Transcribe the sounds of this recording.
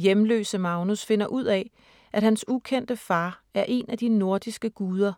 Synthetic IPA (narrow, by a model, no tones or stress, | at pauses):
jemlø̰ːsəmɑ̈ʊnusfe̝n̰ɐʔuð̰ˠɛ | ʔædhænsukʰen̰d̥əfɑ̈ːæɐʔe̝næd̥ino̝ɐ̰d̥isɡ̥əɡ̥uːð̞ˠɐ